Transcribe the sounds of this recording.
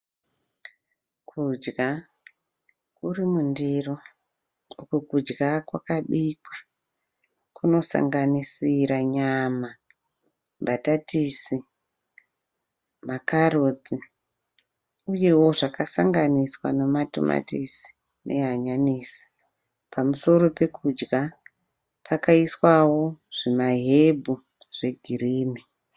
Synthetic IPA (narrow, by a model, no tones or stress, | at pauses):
kʰud͡ʒɡa | kurimundiro | ukokud͡ʒɡakwakaɗikwḁ | kʰuno̞sa̰ŋɡanisiɾaɲama | mbʱatatisi | makaɾod͡zi | uje̞wo̞ʐakasaŋɡaniswanomato̰mʔa̰tisi̥ | nʔe̞ɦaɲaniːsi̥ | pʰamuso̞ɾo̞pe̞kud͡ʒɡa | pʰakaiswawo̞ʐ̥imaɦebʱu | ʐ̥e̞ɡʱiriːni